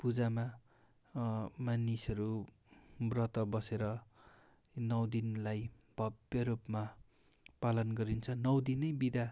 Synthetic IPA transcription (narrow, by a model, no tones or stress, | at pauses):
pud͡zama | manisʌɾu | brʌt̪ʌbʌseɾʌ | nʌwd̪inlaj | b̥ʱʌbjʌɾupma | palʌnɡʌɾint͡sʰʌnʌwd̪inʌjbid̪a